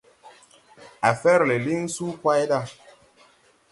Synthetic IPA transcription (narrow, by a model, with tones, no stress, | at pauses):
a˨fɛ˦ɾle˨li˦ŋ˦su˦kwa˦jda˦˨